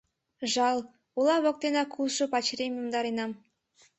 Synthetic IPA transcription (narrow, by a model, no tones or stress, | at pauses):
ʒɑlˠ | ulˠɑβŏk̚t̪enɑkʰulˠʃopɑt͡ɕɾemjumd̪ɑɾenɑm